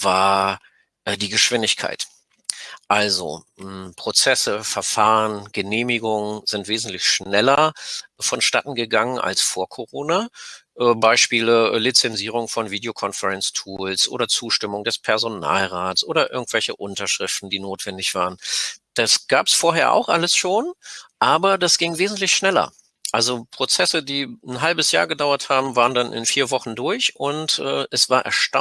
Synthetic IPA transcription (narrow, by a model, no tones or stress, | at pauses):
v̥aːɐ | ʔəːdiːɡəʃv̥ɪndɪçkʰa̰ɪt | ʔalzo̰ | pʁ̥ot͡sɛsəfɛɐfaːʁənɡ̥əneːmɪɡʊŋəzɪntv̥eːzn̩tlɪçʃnɛlɐfɔnʃta̰tn̩ɡəɡaŋənʔa̰lsfoːɐkʰoʁoːnaʔɛːbaɪʃpiːləlit͡sɛnziːʁ̞ʊŋfɔnviːdeokʰɔnfəʁɛnstʰuːlsʔo̰ːɾɐt͡suːʃtɪmʊŋdɛspʰɛɐzona̰ːlʁaːtsʔoːɾɐʔɪ̰ɐɡŋ̩tv̥ɛlçəʔʊntɐʃʁ̥ɪftn̩diːnoːtv̥ɛndɪçv̥a̰ːʁənd̥asɡ̥aːpsfoːɐɦeːɐʔa̰ʊxʔa̰ləsʃoːnʔaːbɐdasɡ̥ɪŋveːzn̩tlɪçʃnɛlɐ̰ | ʔalzopʁ̥ot͡sɛsədiːn̩ɦalbəsja̰ːɐɡədaʊɐthaːbm̩vaːʁəndanʔɪ̰nfiːɐvɔχn̩dʊɐçʊntʔɛːʔɛsv̥aːɐʔɛ̰ɐʃta